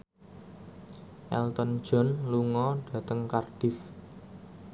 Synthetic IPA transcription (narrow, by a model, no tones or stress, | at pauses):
ʔɛ̰lt̪ɔnd̥ʒ̥ɔ̤nluŋɔɖ̥a̤t̪əŋkarɖ̥ɪ̤f